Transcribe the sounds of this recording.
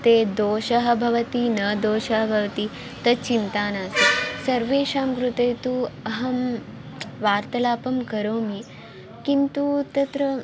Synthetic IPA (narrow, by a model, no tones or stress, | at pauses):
t̪eːd̪oːʃɐɦɐ̆bʱɐʋɐt̪inɐd̪oːʃɐɦɐbʱɐʋɐt̪i | t̪ɐt͡ʃint̪aːnaːsisɐɾʋeːʃaːmkɾut̪ɐjt̪uɐɦɐm | ʋaːɾt̪ɐlaːpɐmkɐɾoːmi | kint̪ut̪ɐt̪ɾɐ